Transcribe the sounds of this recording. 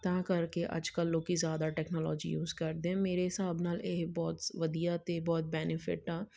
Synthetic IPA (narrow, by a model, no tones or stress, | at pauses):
t̪ãkɐɾkeʔɐ̰d͡ʒkəlːoːkizjaːd̪aʈɛːknɔːlɔːd͡ʒḭjṵːzkɐɾd̪ẽɛ̃meːɾeɦɪsaːbnaːleːbɔːt̪ʋɐd̪ijat̪eːbɔːt̪̚bɛːnɪfɪ̰ʈːãː